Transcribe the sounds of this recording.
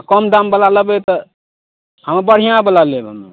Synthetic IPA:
kɔmd̪ambəlaləbet̪ə | həmbəɽ̤ijãbəlalebə̰mḛ

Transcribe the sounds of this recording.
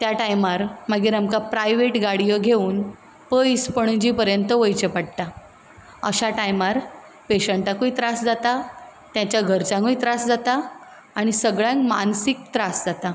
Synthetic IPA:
t̪jaʈajmaɾmaɡiɾəmkapɾajʋeʈɡaɽijəɡʱeuːn | pəjspəɳ̃d͡ʑiːpəɾjənt̪əʋəjt͡ɕəpaɽ̚t̪a | əɕaʈajmaɾ | peɕəɳʈakuit̪ɾasd͡zat̪at̪jãt͡ɕjaɡʱəɾt͡sãŋɡuit̪ɾasd͡zat̪aː | ɽ̃isəɡɭjãŋkma̰nsik̚t̪ɾasd͡zat̪a

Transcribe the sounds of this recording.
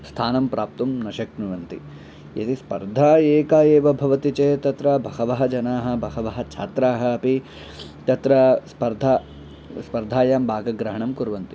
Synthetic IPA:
st̪ʰaːnɐmpɾaːp̚t̪umnɐʃɐknuʋɐnt̪ḭ | jɐ̰t̪ispɐ̰ɾd̪ʱaːeːkaːjeːʋɐbʱɐʋɐt̪it͡ʃeːt̪ɐt̪ɾɐbʱɐhɐʋɐɦɐd͡ʒɐnaːɦɐ̆bʱɐhɐʋɐɦɐ̆t͡ʃʰa̰ːt̪ɾaːɦɐɐpi | t̪ɐt̪ɾɐspɐɾd̪ʱaː | spɐɾd̪ʱaːjaːmbʱaːɡɐɡɾɐɦɐɳɐmkuɾʋɐnt̪i̥

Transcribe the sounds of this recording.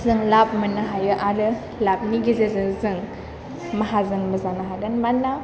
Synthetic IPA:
zɯŋlap̚mɐnɯɦajɯʔaɾɯ | lap̚niɡizezɯzɯŋ | mɐɦazɯŋmɐzanaɦaɡɯnmanːa

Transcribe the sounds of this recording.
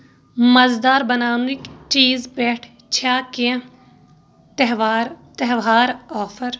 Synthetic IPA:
mɐzd̪aːɾbənaːnũɪkt͡ʃiːzbɛːʈʰ | t͡ʃʰaːkeã | t̪ɛɦʋaːɾt̪əɦʋaːɾɔːfʰəɾ

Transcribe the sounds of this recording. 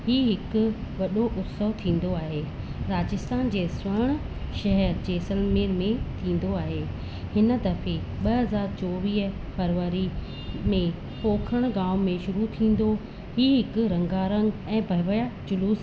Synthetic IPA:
hiːɦɪkʊ̆ʋɐɗoʔʊt̪səʋt̪ʰĩːn̆d̪oaːɦeː | ɾaːd͡ʑɪst̪aːnd͡ʑeːsʋɐɽ̃ʊ | ʃɐɦɛɾd͡ʑeːsɐlmeːɾmẽt̪ʰĩːn̆d̪oaːɦeː | hɪn̆t̪ɐfe | ɓɐɦɐzaːɾt͡ɕɔːʋiːɦ | fɐɾʋəɾi | mẽ | poːkʰəɽ̃ɡaːʋmẽʃʊɾut̪ʰĩːn̆d̪o | hiːɦɪkʊɾɐ̃ŋɡaːɾə̃ŋɡɛ̃ːbʱɐʋəjad͡ʑʊluːs

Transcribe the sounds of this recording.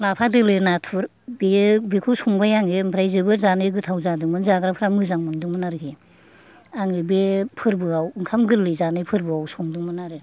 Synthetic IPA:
lapʰadɯlɯnatʰuɾ | bebekʰusuŋbajaŋempʰɾajzɯbɯzanɯɡɯtʰawzadɯŋmɯnzaɡɾapʰɯɾamɯzaŋmɯnduŋmɯnaɾɯkʰe | aŋɯbepʰɯɾbɯawɯŋkʰamɡɯlːɯzanɯpʰɯɾbɯawsɔŋduŋmɯnaɾɯ

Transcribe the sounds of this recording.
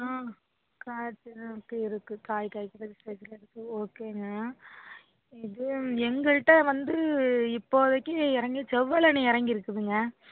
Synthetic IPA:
aː | kaːt͡ʃːɪnɐkːɯɪɾɯkːɯ̃kaːjkaːjkːɪɾɐðɯspɛsɪlɐɪɾɯkːɯoːkeːŋɡɐ | ɪðɯɛŋɡɐɭʈːɐʋɐnd̪ɯɪpːoːðɐkːɯɪɾɐŋɡɯt͡ʃɛʋːɐlɐniɪɾɐŋɡɪɾɯkːɯðɯŋɡɐ

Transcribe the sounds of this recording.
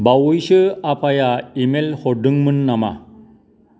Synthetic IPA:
bawɯjsɯapʰajaimelhɔɖɯŋmɯnːama̰

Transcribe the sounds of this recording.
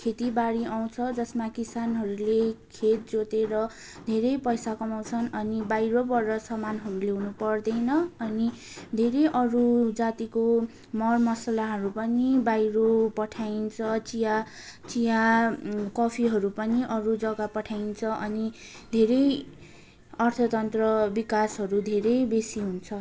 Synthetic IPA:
kʰet̪ibaɽiaw̃t͡sʰʌd͡zʌsmakisanɦʌɾulekʰet̪̚d͡zot̪eɾʌ | d̪ʱeɾʌjpʌjsakʌmaw̃t͡sʰʌnʌnibajɾobʌrːʌsʌmanɦʌɾuleɦunupʌrd̪ʌjnʌːni | d̪ʱeɾʌjʔʌɾud͡zat̪iko | mʌrmʌsalaɦʌɾupʌnibajɾopʌʈʰajnt͡sʰʌt͡sija | t͡sija | kʌpʰiɦʌɾupʌniʔʌɾud͡zʌɡapʌʈʰajnt͡sʰʌʔʌni | d̪ʱeɾʌj | ʌrt̪ʰʌt̪ʌnt̪rʌbikasɦʌɾud̪ʱeɾʌjbesiɦunt͡sʰʌ

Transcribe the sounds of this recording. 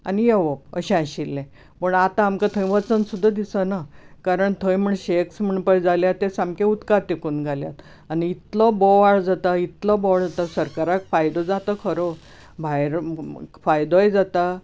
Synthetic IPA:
a̰nijeʋəp̚ə̰ɕẽaɕilːẽ | pəɳat̪ãːmkat̪ʰə̃j̃ʋət͡sənsud̪ʱːad̪isənakaɾəɳt̪ʰəjm̤əɳɕeksm̤əɳpəjd͡zaljat̪esamkeut̪kat̪ekuːnɡʱalja̰t̪ | aniːt̪lɔbɔʋaɭd͡zat̪ait̪lɔbɔɭd͡zat̪asəɾkaɾakfajd̪ɔd͡zat̪ɔkʰəɾo | bʱajɾfajd̪ojd͡zat̪a

